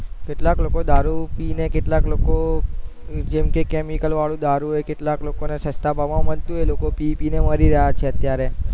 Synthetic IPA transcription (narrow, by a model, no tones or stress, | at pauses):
kɪʈlaklokod̪aɾupinekɪʈlakloko | d͡ʒemkekɛmikəlʋaɭũd̪aɾuɦekɪʈ̪laklokonesəst̪abʱaʋãməlt̪ũɦelokopipineməɾiɾəɦat͡ʃʰeət̪jaɾe